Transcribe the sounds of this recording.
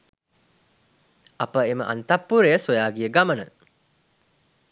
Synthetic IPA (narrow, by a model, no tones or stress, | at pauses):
ɐpəemə̰ʔa̰nt̪ɐpːuɾejəsojaːɡiəɡamənə̰